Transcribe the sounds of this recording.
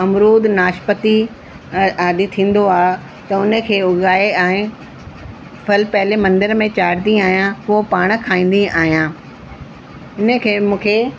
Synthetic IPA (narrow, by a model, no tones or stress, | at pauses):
ɐmɾuːd̪naːʃpət̪i | aːd̪it̪ʰĩːn̆d̪oaː | t̪ɐʊnə̆kʰeːʊɠaːeaːẽ | fʰɐlpɛɦlemɐ̃nd̪ɪɾmẽt͡ɕaːɾd̪iaːɦijãpʊopaːɽ̃kʰaːĩːn̆d̪iaːɦijãː | ɪnə̆kʰeːmũːkʰeː